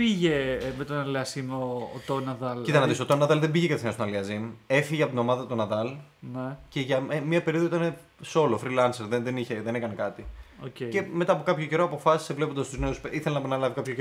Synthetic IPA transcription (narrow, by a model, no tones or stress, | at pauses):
piʝemet̪onɐliɐsimoːt̪onɐðɐlit̪ɐnɐd̪isot̪onːɐðɐlðembiʝekɐt̪θenost̪onɐliɐzime̞fiʝeɐpot̪ino̞mɐðɐt̪o̞nɐðɐlnece̞ʝɐmɐpe̞ɾioðoit̪ɐne̞ | so̞lofɾilɐnseɾðenðeniçe̞ðe̞nekɐne̞kɐt̪iocece̞me̞t̪ɐːpo̞kɐpçoce̞ɾo̞ɐpo̞fɐsi̥sevlepond̪ɐst̪uzne̞useiθelenɐpɐnɐlɐvikɐpçoe